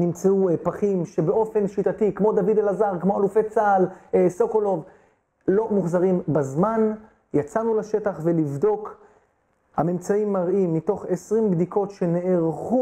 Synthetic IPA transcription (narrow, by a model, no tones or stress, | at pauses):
nimt͡seuepaχimʃe̞beo̞fe̞nʃitatikmo̞d̪avid̪elazaʁkmoalufe̞t͡salesokolo̞v | lo̞muχzaʁimbazman | jat͡sanulaʃe̞taχve̞livdo̞k | hamemt͡saimːaʁimːito̞χesʁimbd̪ikʰo̞tʃe̞ne̞ʔeʁχu